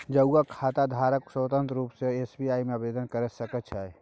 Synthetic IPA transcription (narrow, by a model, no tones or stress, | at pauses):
d͡ʒəakʰaːt̪ad̪ʱaːɾəksət̪ə̃nt̪ɾuːpseesbiaːimebed̪ənkəɾəsəkət͡ʃʰa